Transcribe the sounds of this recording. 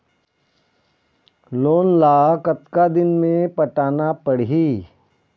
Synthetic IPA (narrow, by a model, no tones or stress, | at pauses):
loːnlaːkɐt̪kad̪ɪnmẽpɐʈaːnapɐɽ̤ɦi